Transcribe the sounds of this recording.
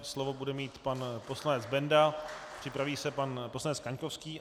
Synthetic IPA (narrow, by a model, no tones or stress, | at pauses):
slovo̞budɛmiːt̪panpo̞slanɛd͡zbɛndapr̥ɪpɾaviːsɛpanposlanɛt͡skaɲkofskiː